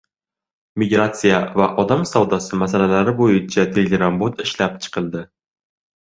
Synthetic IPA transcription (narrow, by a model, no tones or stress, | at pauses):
miɡɾat̪sijavæʔɒd̪ɑmsɒwd̪ɒsɨmæsælælæɾɪbojɪt͡ʃʰat̪ʰelɡʲeɾambot̪ɪʃlæp̚t͡ʃʰɨ̥qʰɨlˠd̪ɪ